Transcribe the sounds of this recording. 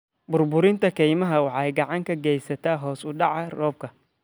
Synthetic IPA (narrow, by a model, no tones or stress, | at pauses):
bʊrbʊɾɪnt̪ʰɐkʰɛjmɐɦɐwɑħɑɛjɡɑʕɑŋkʰɐɡɛjsɐt̪ʰaːɦɔːsʊɖɑʕɐrɔːb̚kʰɐ